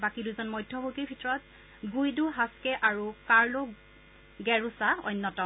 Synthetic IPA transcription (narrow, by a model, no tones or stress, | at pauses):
bakiduzɔnmɔjdʱɔbʱuɡibʱitɔɹɔt | ɡujduɦaskɛʔaɹukaɹlɔ | ɡɛɹusaɔ̰jnːɔtɔ